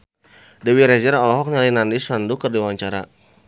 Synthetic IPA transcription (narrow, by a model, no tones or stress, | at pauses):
dɛwiɾɛzɛɾɔlɔɦɔk̚ɲalinandisandukərdiwaɲt͡ʃaɾa̰